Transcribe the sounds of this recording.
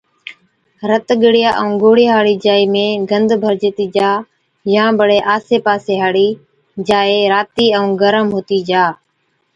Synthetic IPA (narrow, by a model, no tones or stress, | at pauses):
ɾət̪ɡəɽɪjaːʔəũːɡoːɽɪjaːɦaːɽiːd͡ʒaːiːmẽːɡənd̪ʱbʱəɾd͡ʒeːt̪iːd͡ʒaː | jãːbəɽeːʔaːseːpaːseːɦaːɽiː | d͡ʒaːeːɾaːt̪iːəũːɡəɾəmɦoːt̪iːd͡ʒaː